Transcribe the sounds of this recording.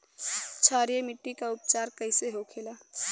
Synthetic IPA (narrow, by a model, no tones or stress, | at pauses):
t͡ʃʰaːɾjemɪʈːikaʊp̚t͡ʃaːɾkəɪseɦokʰeːlaː